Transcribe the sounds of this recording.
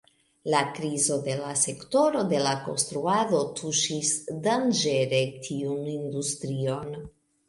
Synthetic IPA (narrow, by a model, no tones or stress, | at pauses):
lakɾizo̞de̞lase̞kto̞ɾo̞de̞lako̞̰nst̪ɾuado̞tʰuʃisdand͡ʒe̞ɾe̞tʰiunindustɾio̞n